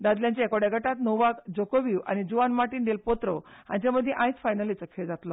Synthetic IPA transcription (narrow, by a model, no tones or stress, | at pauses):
d̪ad̪ljãɲt͡ɕaekoɽjaɡʱəʈat̪nowʋakd͡zokoʋiwa̰ñid͡ʑuʋanmaɾʈiːnɖ̪elpot̪ɾɔã̰ɲt͡ɕaməd̪ʱːjeʔãjt͡sfajnəlit͡səkʰeɭd͡zat̪lɔ